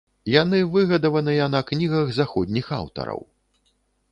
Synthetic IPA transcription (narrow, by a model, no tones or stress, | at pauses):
janɨvɨɣɐd̪ɐvɐnɨjɐnɐknʲiɣɐɣzaxɔd̪ʲnʲixa̰wt̪ɐ̰ɾɐ̰w